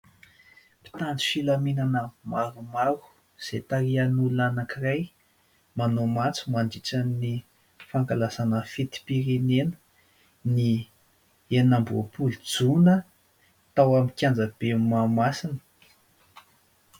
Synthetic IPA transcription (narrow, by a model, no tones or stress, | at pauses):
pi̥t̪ant͡si̥filaminanəmaɾumaɾu̥ | z̥et̪aɾianulunanakiraj | manomat͡su̥manɖ͡ʐit͡sanni | faŋkalazanəfit̪i̥piɾinenə̥ | ni | enambopuld͡zunə | t̪awamikʲjand͡zəb̥emamasinə̥